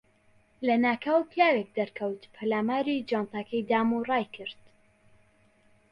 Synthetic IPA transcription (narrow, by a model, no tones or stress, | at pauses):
lɐnaːkʰawpʰjaːɾek̚d̪ɐɾkʰɐwt̪pʰalaːmaːɾid͡ʒant̪akʰɐjd̪aːmurˤɑːjkʰɨɾt̪